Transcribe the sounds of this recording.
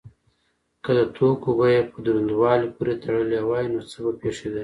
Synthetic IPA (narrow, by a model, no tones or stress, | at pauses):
kəd̪ət̪ʰokobajepəd̪ɾand̪wɑlipuɾet̪ʰaɽəlewɑjinot͡səbapeʂed̪a